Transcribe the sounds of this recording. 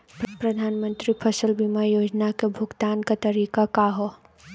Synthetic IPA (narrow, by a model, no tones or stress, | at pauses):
pɾɐd̪ʱaːnmə̃nt̪ɾipʰəsəlbimajoːd͡ʒnakebʱʊɡt̪aːnkat̪ɐɾiːkakaɦo